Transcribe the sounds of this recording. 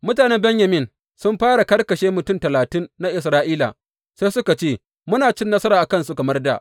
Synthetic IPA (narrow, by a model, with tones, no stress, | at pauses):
mʊ˦taː˨nɛ˦bɛ˦ɲjɐ˨mɪ˦n | sʊ˦mɸaː˦ɽa˨kɐ˦rkɐ˨ʃeː˦mʊ˨tʊ˦˨mtɐ˨laː˨tɪ˦nːa˦ʔɪ˨s̬ɾaː˦ʔiː˦la̰˨ | se˦jsʊ˦ka˨t͡ʃeː˦˨ | mʊ˦naː˨t͡ʃɪ˦nːɐ˦sɐ˦ɾaː˨ʔa˨kɐ˦˨nsu˦kɐ˨mɐ˦rda̰˨ʔ